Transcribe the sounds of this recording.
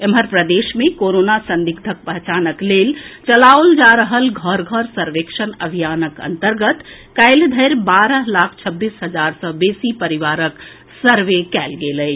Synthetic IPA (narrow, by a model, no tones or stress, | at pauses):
emɦəɾpɾəd̪esmekoɾonasənd̪iɡd̪ʱək̚pəɦt͡ʃanəklelt͡ʃəlaold͡ʒaɾəɦəlɡʱəɾɡʱəɾsəɾʋekʃənəbʱijanəkə̰nt̪əɾɡət̪ | kəɪld̪ʱəjɾbaɾəɦlakʰt͡ʃʰəbːisɦəd͡ʒaɾsəbesipəɾiʋaɾək | səɾʋekɛlɡeləj